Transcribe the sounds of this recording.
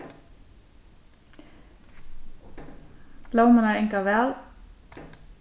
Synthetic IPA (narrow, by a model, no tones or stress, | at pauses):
b̥lowmanaɾejŋkavɛːl